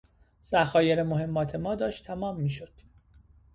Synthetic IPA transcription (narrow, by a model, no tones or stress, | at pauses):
z̥æxɒːjeɾemoɦe̞mːɒːt̪ʰe̞mɒːd̪ɒːʃt̪ʰæmɒːmːiːʃod̪̥